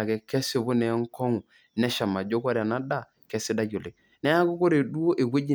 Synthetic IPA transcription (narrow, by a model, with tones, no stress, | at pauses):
a˨kɛ˨kɛ˦sɪ˨bu˦nɛ˨˦ŋ˦kɔ˦ŋu˨ | nɛ˦ʃa˨ma˨d͡ʒo˦ka˦ɾa˨na˦da˦˨ | kɛ˦si˦da˦ɟo˨le˨ | nɛ˦ja˦ku˦ko˦ɾe˨du˦o˦ʔe˨ɡʷwe˦d͡ʒi˦˨